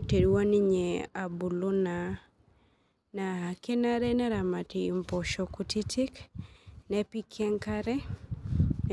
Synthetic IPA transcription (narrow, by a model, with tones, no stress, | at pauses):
te˨ɾwa˦ni˦ɲea˨bu˨lu˦na˨ | na˨ke˦na˦ɾɛ˦nɛ˦ɾa˨ma˨tii˨mpɔ˨ʃɔku˦titʰi˦k | nɛpi˦kʰːɛ˦ŋkaɾɛ˦ | n